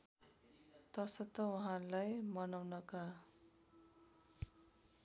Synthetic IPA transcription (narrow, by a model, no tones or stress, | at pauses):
t̪ʌsʌt̪ʌuɦãlajmʌnawnʌka